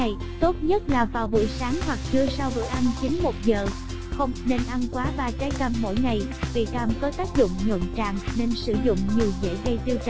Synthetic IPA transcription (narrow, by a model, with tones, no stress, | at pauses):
a˨˩j | t̪o˦˥t̚ɲə˦˥t̚laː˨˩vaː˨˩wvṵ˧˨jsaː˨˦ŋhwa˨˩k̚t͡ɕɨ˧əsaː˧wvɨ̰˧˨ʔa˧nt͡ɕï˨˦ŋmo˨˩t̚zəː˨˩ | xə˧wŋ͡mne˧nʔa˧nkwaː˨˦vaː˨˩t͡ɕaː˨˦jkə˧˩mːo̰˧˥˨jŋa˨˩j | vḭ˧˨kaː˧mk̪ɔ˨˦t̪aː˦˥k̚zʊ̰˧˨ŋ͡mɲo̰˧˨nt͡ɕa̰ː˧˨ŋne˧nsɨ˧zʊ̰˧˨ŋ͡mɲi˨˩əwzḛ˧˥ɣə˧jt̪i˧wt͡ɕ